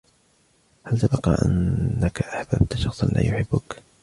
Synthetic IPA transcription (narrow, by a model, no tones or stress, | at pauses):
halt̪abɑqɑːʔa̰nːakaʔaħbab̚t̪ʃɑxsˤnlʔaːjʊħɪbːʊk